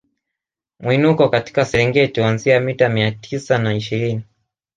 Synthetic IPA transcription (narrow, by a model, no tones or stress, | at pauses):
mwinukɔkati̥kasɛɛŋɡɛtihuanziamitamiatʰisanaiʃiɾini